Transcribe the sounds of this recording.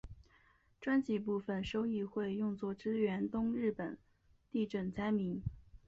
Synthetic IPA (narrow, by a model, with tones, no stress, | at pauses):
ʈ͡ʂwa˥nt͡ɕi˧˥p̬u˥˧fə˥˩nʂo˥ʊi˥˧xwe˥˧ɪjʊ˥˧ŋt͡swɔ˥˩ʈ͡ʂɻ̩˥ɥɛ˧˥nt̪ʊ˥ŋɻɻ̩˥˩pə˨˩˦n | t̪i˥˩ʈ͡ʂə˨˩nt͡sa˥ɪmi˧˥n